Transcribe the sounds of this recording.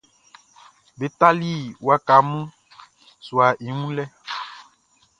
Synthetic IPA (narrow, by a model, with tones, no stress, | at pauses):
be˨t̪a˦li˦wwa˦ka˨˦mũ˦ | su˨a˨ʔi˨ŋũ˦lɛ˦